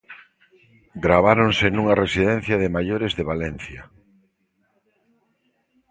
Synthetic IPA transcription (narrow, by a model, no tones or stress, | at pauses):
ɡɾaβaɾonsenũŋɐresiðɛ̃n̟θjɐðɪmaʎoɾezðeβalɛn̟θjɐ